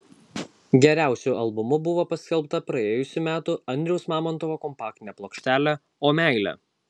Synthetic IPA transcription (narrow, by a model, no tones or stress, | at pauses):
ɡʲɛɾʲæˑʊsʲʊʔɐlˠbʊmʊbʊʋoːpɐsʲkʲɛlˠpt̪ɐpɾɐeːjʊsʲʊmʲæːt̪ʊɐnʲd̪ʲɾʲɛʊsmɑːmɔnt̪ɔʋoːkɔmpɑːk̚t̪ʲɪnʲeːplˠoːkʃʲt̪ʲæːlʲæ | oːmʲæˑɪlʲɛ̰